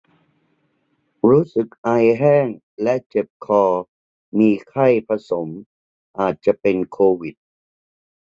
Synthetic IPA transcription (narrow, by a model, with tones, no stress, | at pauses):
ɾuː˦˥sɯ˨˩k̚ʔa˧jɦɛː˥˩ŋ | lɛ˦˥ʔt͡ɕe˨˩p̚kʰɔː˧ | miː˧kʰa˥˩jpʰa˧so˩˦m | ʔaː˨˩t̪̚t͡ɕa˨˩pe˧nkʰoː˧wi˨˩t̪̚